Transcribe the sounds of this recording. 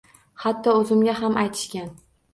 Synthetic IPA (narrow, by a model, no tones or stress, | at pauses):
hat̪ʰːɒɵzɪmɡʲaɦamajt̪ʰɪ̥ʃkʲan